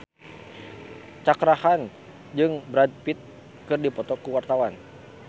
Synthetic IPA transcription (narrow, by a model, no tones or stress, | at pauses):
t͡ʃakɾahan | d͡ʒɨŋbɾad̪̚pit̪̚ | kɨrdipɔt̪ɔkuwart̪awan